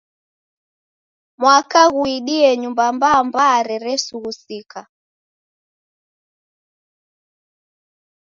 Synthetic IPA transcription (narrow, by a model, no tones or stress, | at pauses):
mwakaɣuiɗiɛɲumbambaːmbaːɾɛɾɛsuɣusika